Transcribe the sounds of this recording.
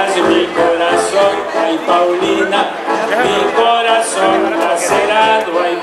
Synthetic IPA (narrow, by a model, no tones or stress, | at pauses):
zmikoɾasoŋajpawlina | mikoɾasoŋd̪aseɾaðoaj